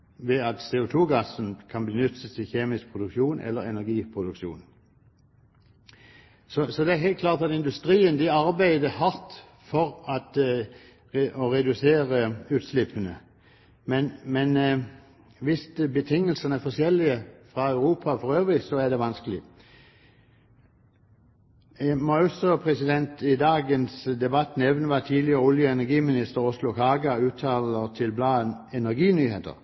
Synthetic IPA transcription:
ʋɛɑt̪seːʊt̪ʰuːɡɑsənkʰɑnbənʏt̪ːət̪ʰɪlçeːmɪsk̚pʰʁʊd̪ʉkʃuːnʔɛ̰lːəɾɛnæʁɡiːpʰʁʊd̪ʉkʃṵːn | sɔsɔd̪ɛæɦæɪlt̪̚kʰlɑːʁt̪ɑt̪ɪnd̪ʉst̪ɾiːənd̪ɪɑɾbæɪd̪əhɑʁt̪ | fɔʁɑt̪ | ʔɔʁɛd̪ʉseːʁəʉːt̪slɪpʰːənə | mɛnmɛn | ʋɪst̪bət̪ʰɪŋːəlsənəæfɔsɛlɪəfʁɑœʉʁuːpʰɑfɔʁøːʋʁɪssɔæd̪ɛʋɑnskəlɪ | mɑʉsɔpʰʁɛsɪd̪ɛnt̪ɪd̪ɑːɡənsd̪ɛbɑt̪ːnɛʋənəʋɑt̪ʰiːdlɪəʁəʊljəɛnæʁɡiːmɪnɪst̪əʁʊslʊkɑːɡɑʉːt̪ʰɑːləʁt̪ʰɪlblɑːən | ɛnæʁɡiːnyːheːt̪ə̰ʁ

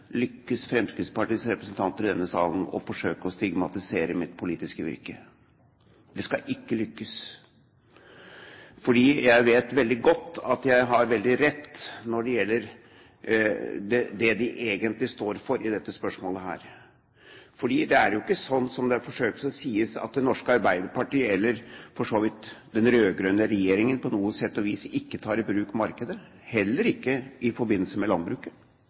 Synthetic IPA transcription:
lʏkːəsfɾɛmskɾɪt̪spɑʈiːsɾɛpɾəsn̩t̪ʰɑnt̪əɾɪd̪ɛnːəsɑ̰ːln̩ɔ̰fɔʂøːkəɔst̪ɪɡmɑt̪ɪseːɾəmɪt̪pʰʊliːt̪ɪskəʋɪ̰ɾkə | d̪ɛskɑʔɪkːəlʏkːəs | fɔɖiːjæɪʋeːt̪ʋɛld̪ɪɡɔt̪ːɑt̪jæɪɦɑɾʋɛld̪ɪɾɛt̪ːnɔɖɛjɛlːəɾ | d̪ɛd̪ɛd̪ɪʔeːɡənt̪lɪst̪oːɾfɔɾɪd̪ɛt̪ːəspœʂmoːləɦæ̰ːɾ | fɔɖiːd̪ɛæɾjʊɪkːəsɔnːsɔmd̪ɛfɔʂøːk̪̚sɔsiːəsɑ̰t̪̚d̪ɛnɔʂkəɑɾbæɪd̪əɾpɑʈiːəɛlːəɾfɔʂoːʋɪt̪d̪ɛnɾøːɡɾœnəɾɛjeːɾɪŋənpʰɔnuːəsɛt̪ːɔʋiːsɪkːət̪ʰɑːɾɪbɾʉːkmɑɾkəd̪ə | hɛlːəɾɪkːəʔɪfɔɾbɪnːl̩səmɛlɑn̚bɾʉːkə

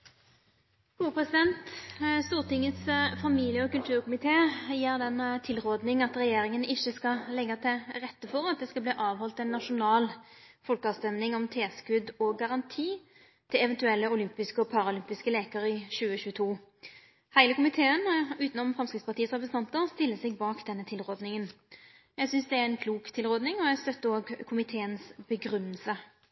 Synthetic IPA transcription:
kʰuːəpʁɛsɪd̪ɛnt̪st̪uːʁt̪ɪŋːət̪sfɑmiːlɪəɔkʉlt̪ʰʉːʁkʊmɪt̪ʰeːjiːɾd̪ɛnt̪ʰɪlʁoːd̪nɪŋɑt̪ʁɛjeːɾɪŋənɪçːəskɑlɛɡːɑt̪ʰɪʁɛt̪ːəfɔʁɑt̪̚d̪ɛːskɑbliːʔɑːʋhɔlt̪ɛɪnːɑʂʊnɑːlfɔlkɑːʋst̪ɛmnɪŋɔmt̪ʰeːskʉd̪ɔɡɑʁɑnt̪ʰiː | t̪ʰɪlɛʋɛnt̪ʉɛlːəʊlʏmpɪskəɔpʰɑɾɑʊlʏmpɪskəleːkəɾəɪɕʉːəɕʉːət̪ʰuː | hæɪləkʊmɪt̪ʰeːənʉːt̪nɔmfʁɑmskɾɪt̪spɑt̪iːəsʁɛp̬ɾsn̩ɑnt̪əʁst̪ɪlːəsɛɡ̚bɑːkd̪ɛnːət̪ʰɪlʁoːd̪nɪŋən | jæɡsʏnsd̪ɛæɾɛnkʰluːkt̪ʰɪlʁoːd̪nɪŋɔjæst̪œt̪ːəoːɡkʰʊmɪt̪ʰeːənsb̥əɡɾʏnːəlsə

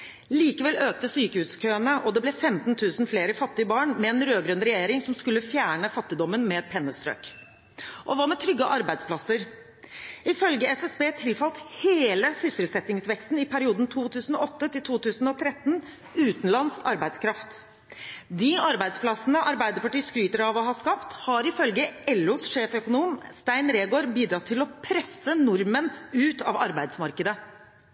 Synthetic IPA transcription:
liːkəʋɛløːk̚t̪əsyːkəhʉːskʰøːənəʔɔd̪ɛblɛfɛmt̪n̩t̪ʰʉːsn̩fleːɾəfɑt̪ːɪəbɑːɳmɛɛnɾøːɡɾœnɾɛjeːɾɪŋsɔmskʉlːəfjæːɳəfɑt̪ːɪd̪ɔmːənmɛpʰɛnːəst̪ɾø̰ːk | ʔɔʋɑmɛt̪ʰɾʏɡːəʔɑɾbæɪd̪spʰlɑsːəɾ | ɪfœlɡəɛsɛsbeːt̪ʰɪlfɑlt̪heːləsʏsɪlsɛt̪ːɪŋsʋɛkst̪n̩ɪpʰæɾɪuːd̪n̩t̪ʰuːt̪ʰʉːsn̩ɔɔt̪ːət̪ɪlt̪ʰuːt̪ʉːsn̩ɔt̪ʰɾɛt̪ːn | ʉːt̪n̩lɑnsɑ̰ɾbæɪd̪skʰɾɑft̪ | d̪ɪɑɾbæɪd̪splɑsnəʔɑɾbæɪd̪əɾpɑʈiːskɾyːt̪əɾɑʋɔɦɑskɑpt̪hɑɾɪfœlɡəɛlːʊsʂeːfœkʊnuːmst̪æɪnɾeːɡoːɾbiːd̪ɾɑt̪ʰːɪlɔpʰɾɛsːənʊɾmənʉːt̪ɑ̰ʋɑɾbæɪd̪smɑɾkəd̪ə

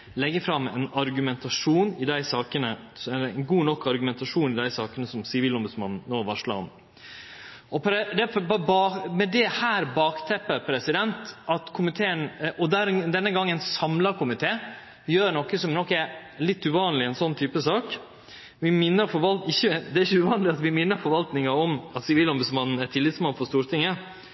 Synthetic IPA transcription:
lɛɡːəfɾɑmːɛ̰nɑɾɡʉmɛnt̪ɑʂuːnɪd̪æɪsɑːkənəsɛnɡuːnɔkːɑɾɡʉmɛnt̪ɑʂuːnɪd̪æɪsɑːkənəsɔmsɪʋiːlɔmbʉd̪smɑ̰nn̩ːoːʋɑʂlɑ̰n | ɔpɾɛd̪ɛfbbɑːmɛd̪ɛhæːɾbɑːkt̪ʰɛpːəɾpʰɾɛsɪd̪ɛnt̪ʔɑt̪kʰʊmɪt̪ʰeːənʔɔd̪æɾd̪ɛnːəɡɑŋːənsɑmlɑɾkʰʊmɪt̪ʰeː | jøːɾɳɔkːəsɔmnɔkːɛɾlɪt̪ːʉʋɑːnlɪɛnsɔnːt̪ʰyːpəsɑːk | ʋɪmɪnːəɾfɔɾʋɑlt̪ɪçːəd̪ɛæɾɪçəʉʋɑːnəlɪɑt̪ʋɪmɪnːəɾfɔɾʋɑlt̪nɪŋɑɔmɑt̪sɪʋiːlɔmbʉd̪smɑnn̩æʈ̪ʰɪlːɪt̪smɑnfɔɾst̪uːɾt̪ʰɪŋːə

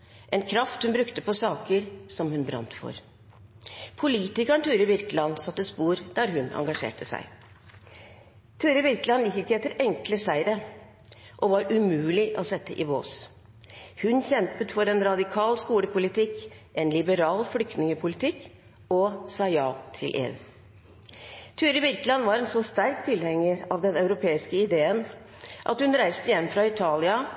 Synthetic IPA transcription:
ʔɛnkʰɾɑft̪hʉnbɾʉkt̪əpʰɔsɑːkəɾsɔmhʉnbɾɑ̰nt̪fɔ̰ɾ | pʰʊliːt̪ɪkəɳt̪ʰʉːɾəbɪɾklɑnsɑt̪ːəspuːɾd̪̥æɾɦʉnɑ̰ŋɡɑʂḛːʈəsæ̰ɪ | t̪ʰʉːɾəbɪɾklɑnjɪkːɪkːəɛt̪ːəɾɛŋkləsæɪɾə | ʔɔʋɑɾʉmʉːlɪʔɔsɛt̪ːə̰ʔɪʋo̰ːs | hʉnçɛmpət̪fɔɾɛnɾɑd̪ɪkʰɑːlskuːləpʰʊlɪt̪ɪk | ɛnlɪbəɾɑːlflʏkt̪nɪŋəpʰʊlɪt̪ʰɪkː | ɔsɑːjɑːt̪ʰɪlʔḛːʉ̰ː | t̪ʰʉːɾəbɪɾklɑnʋɑɾɛnsɔst̪æɾkt̪ʰɪlhɛŋːəɾɑʋd̪ɛnɑʉɾʊpʰeːɪskəɪd̪eːən | ʔɑ̰t̪hʉnɾæɪst̪əjɛmːfɾɑɪt̪ʰɑːlɪɑ

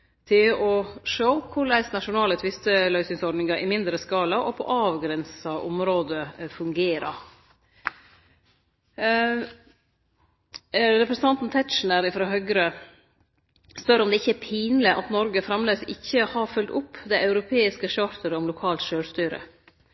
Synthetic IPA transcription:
t̪ʰɪlɔʂoʊkʰʊɭæɪsnɑʂʊnɑːlət̪ʰʋɪst̪əlœʏsɪŋsɔɾɖnɪŋɑɾʔɪmɪnd̪ɾəskɑːlɑʔɔpʰɔ̰ʔɑːʋɡɾɛnsɑʔʊ̰mɾoːd̪əfʉŋɡeːɾɑ̰ | ɾɛpɾɛsənt̪ɑnt̪n̩t̪ʰɛt̪ʃn̩əɾɪfɾɑːɦœɡɾə | spœɾɔmd̪ɛɪçːəæpʰiːnləʔɑt̪nɔɾɡəfɾɑmleːsɪçːəhɑɾfʉld̪ʊpːd̪ɛɪʔɑʉɾʊpʰeːɪskəʃɑːɾt̪ʰəɾəɔmlʊkʰɑːlt̪ʃøːlst̪yːɾə̰

